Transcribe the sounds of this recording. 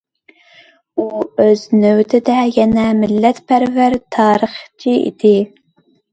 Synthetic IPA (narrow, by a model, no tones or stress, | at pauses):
uøznøwt̪ʰɪd̪ɛjɛnɛmɪlːɛt̪pʰæɾvæɾt̪ʰɑːɾəχt͡ʃʰiḭd̪ɪ